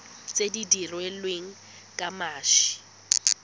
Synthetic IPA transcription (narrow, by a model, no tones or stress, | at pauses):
t͡sʼedidirwɛlweŋ̩ | kʼamaːʃɪ̥